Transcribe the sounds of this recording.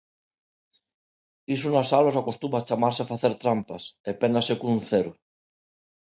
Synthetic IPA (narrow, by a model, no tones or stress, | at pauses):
isunasalosakost̪umat͡ʃamaɾseafaθeɾt̪ɾampasepenasekunθeɾu